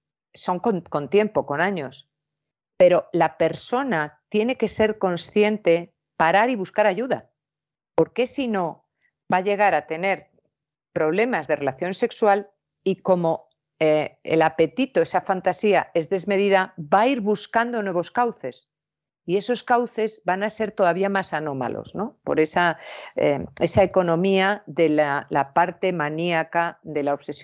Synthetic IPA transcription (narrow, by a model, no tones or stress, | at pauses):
so̞ŋkonko̞nt̪je̞mpo̞ko̞naɲo̞s | pe̞ɾo̞lape̞ɾso̞nat̪je̞ne̞ke̞se̞ɾko̞nsθje̞nt̪e̞ | paɾaɾiβ̞uskaɾaʝuða̰ | po̞ɾke̞sino̞ | baʎe̞ɣaɾat̪e̞ne̞ɾ | pɾo̞β̞le̞mazðe̞re̞laθjo̞nse̞kswal | iko̞mo̞ | eḛlape̞t̪it̪o̞e̞safant̪asiae̞zðe̞zme̞ð̞iðabaiɾβuskand̪o̞nwe̞β̞o̞skawθe̞s | ie̞so̞skawθe̞zβanase̞ɾt̪o̞ðaβiamasanõ̞ma̰lo̰sno̞po̞̰ɾe̞saḛe̞sae̞ko̞nõ̞miaðe̞lalapaɾt̪e̞maniakaðe̞laoβse̞sj